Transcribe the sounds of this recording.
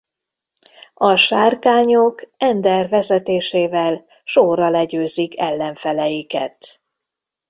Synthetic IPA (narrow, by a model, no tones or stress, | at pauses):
ɒʃaːrkaːɲokɛnd̪ɛrvɛzɛt̪eːʃeːvɛl | ʃorːɒlɛɟøːzikʰɛlːɛɱfɛlɛjikɛ̰t̪